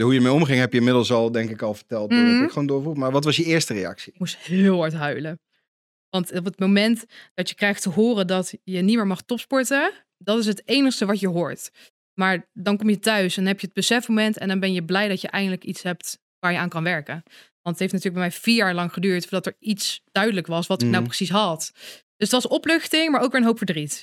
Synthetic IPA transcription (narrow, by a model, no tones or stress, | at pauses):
əɦujəəɹmejɔmχɪŋɦɛpjəɪmɪdəl̩ˠsɑlˠdɛŋkɪkɑlˠvəɹtɛlˠtkχʋondʊɹvumaːɹʋɑtʋɑsjəɪːɹstərejɑ̰ksi̥musthɪɪːlˠɦɑɹtɦœɥlə | ʋɑntp̬ətmomɛntd̥ɑtjəkrɛjχtəɦʊːrədɑtjənitmɪːɹmɑχtɔpspɔɹtə | dɑtɪs̬ɦətejnəχstəʋɑcjəɦʊːɹt | maːɹdɑnkɔmjətœɥsɛnɦɛpjəəd̚bəsɛfmomɛntɛ̰ndɑnbɛnjəblɛjdɑtjəʔɛjndələkitsɦɛp̚t | ʋaːɹjəaːnkɑnʋɛɹkən | ʋɑntətɦejfnatyːɹəɡbɛjmɛjv̥iːɹjaːɹlɑŋχədyːɹtfɹdɑtəɹitsd̥œɥdələkʋɑsʋɑtɪk̚nawprəsisɦɑtd̥ɵsətʋɑsnɔplɵχtɪŋmaːɹʔowkʋɪːɹənɦowpfəɹdrit